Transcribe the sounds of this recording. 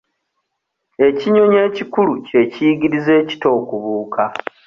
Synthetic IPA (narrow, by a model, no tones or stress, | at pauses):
e̞ciɲo̞ɲe̞ːcikuluce̞ciɡiɾize̞ːci̥to̞ːkuβuːkʰa